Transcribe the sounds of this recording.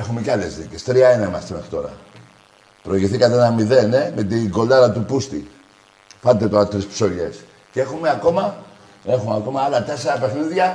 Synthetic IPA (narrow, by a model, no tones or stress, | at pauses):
exumeceɐle̞zðicest̪ɾiɐineimɐst̪eme̞xɾit̪o̞ɾɐ̰ | pɾoiʝiθikɐt̪eenɐmiðe̞ne̞met̪iŋɡo̞lɐɾɐt̪upust̪i | fɐnet̪et̪oat̪ɾispso̞ʎe̞s | cee̞xume̞ako̞mɐ | e̞xumeako̞mɐɐlɐt̪e̞seɾɐpe̞xniðʝɐ